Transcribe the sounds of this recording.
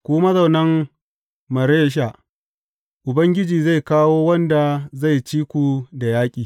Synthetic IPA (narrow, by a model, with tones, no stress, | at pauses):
kʷuː˦mɐ˦zɐ˨wnɐ˦ŋ | mɐ˨ɾeː˦ʃ̬a˨ʔ | ʔʊ˨bɐ˦ŋɡʲɪ˦d͡ʒiː˨za˦˨jkaː˦woː˦wɐ˦nda˨za˦˨jt͡ʃiː˦kʷu˨da˨jaː˦kʲʼiː˨